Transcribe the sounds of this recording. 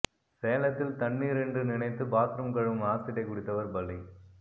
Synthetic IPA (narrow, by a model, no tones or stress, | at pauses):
seːɐlɐt̪ːɪlt̪ɐɳːiːɾɛndrɯnɪnɐɪt̪ːɯbaːkɾɯmkɐɻɯmaːt̪ːɪɽɐɪkʊɽɪt̪ːɐʋɐɾbɐlːi